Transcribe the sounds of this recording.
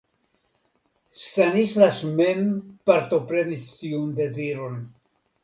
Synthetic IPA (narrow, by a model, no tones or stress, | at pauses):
st̪anislaʃmenpaɾt̪o̞pɾe̞nistiund̪e̞ziɾo̞n